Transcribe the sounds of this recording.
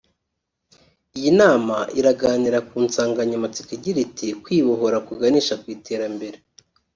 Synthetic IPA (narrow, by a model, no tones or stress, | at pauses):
ijinaːmaʔiɾaɡaːniɾakuːnsaːŋɡaɲamat͡si̥kiɟiɾitʰikwiːβoɦo̞ɾakuɡaniːʃakwiːtʰe̞ːɾambe̞ɾe